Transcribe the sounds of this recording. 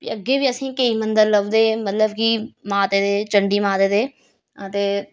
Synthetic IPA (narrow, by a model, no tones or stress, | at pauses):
iəɡːeːbiːəsĩːkeiːmənd̪əɾləʋd̪eːmət̪ləbkimaːt̪eːd̪eːt͡ʃəɳɖiːmaːt̪eːd̪eː | t̪eː